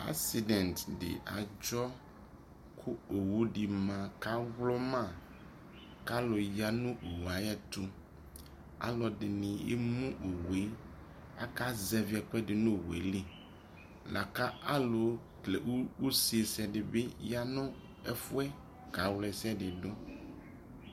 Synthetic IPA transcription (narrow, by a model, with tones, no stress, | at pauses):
a̰˦si˨dɛ̃˨ntdɪ̰˨ʔa̰˨d͡ʒɔ˦ | kʰʊ˦o˨wu˦di˨mã˨ka˦vlɔ˦mã˦˨ | ka˦lo˨ja˦nʊ̃˦o˨wu˨a˨jɛ˦t̪ʊ˦ | a̰˦lɔ˨dɪ˨nɪ̃˨ḛ˦mũ˦ʔo˨we˦ | a̰˦ka˦zɛ˦vi˨˦ɛ˨k͡pɛ˦dɪ˨nʊ̃˦˨wḛ˨li˦ | la̰˨ka˦ʔa˦lo˨ | klḛ˨wwu˦si˨˦e˨sɛ˨dɪ˨be˦ja˦nʊ̃˦ | ɛ̰˦fʊ˦ɛ˦ | ka˨˦wlɛ˨sɛ˦dɪ˨ɖʊ˦